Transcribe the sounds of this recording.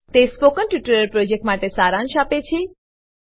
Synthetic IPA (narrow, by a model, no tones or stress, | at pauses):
t̪espokənʈiʈəɾəɾpɾod͡ʒek̚ʈmaʈesaɾãnʃapet͡ʃʰe